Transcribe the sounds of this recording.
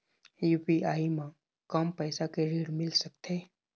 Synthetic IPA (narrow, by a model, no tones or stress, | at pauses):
juːpiaːimã | kampɛːsakeɾiːɽmɪlsək̚t̪ʰeː